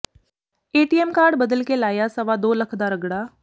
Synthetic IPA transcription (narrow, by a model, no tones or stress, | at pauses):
eːʈiɛmkaːɾɖbəd̪əlkelaːjasɐʋad̪oːlɐkʰd̪aɾəɡɽaː